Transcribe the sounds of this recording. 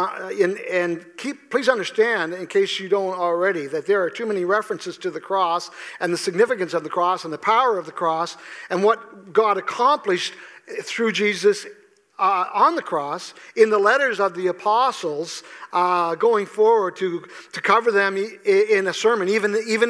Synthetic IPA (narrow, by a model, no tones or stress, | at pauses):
ɨ̃nɨ̃nkʰip̚pʰl̥izʌ̃ndə˞stæ̃ndɨ̃nkʰeɪsjɨdõʊ̃ntl̩ˠɹɛɾiðɨt̪̚ðə˞ːtʰʉmɛniɹɛfɹɨ̃nsɨz̥tʰɨðɨkʰɹ̥ɔsʔɨ̃nðɨsɨɡ̚nɪfɨkɨ̃nsʌvðɨkʰɹ̥ɔsn̩ðəpʰaʊə˞ʌvðɨkʰɹ̥ɔsɨ̃nwʌt̚ɡ̥ɑɾɨkʰɑ̃mplɨʃθɹʉd͡ʒizɨs | ə̃nðɨkʰɹ̥ɔsɨ̃nðəlɛɾə˞zʌvðiɨpʰɑsl̩ˠz̥ | ɡoʊɪ̃ŋfɔɹwə˞d̚tʰɨtʰɨkʰʌvə˞ðɨ̃mɪ̃nɨsɜ˞mɨ̃nivɨ̃nivɨ̃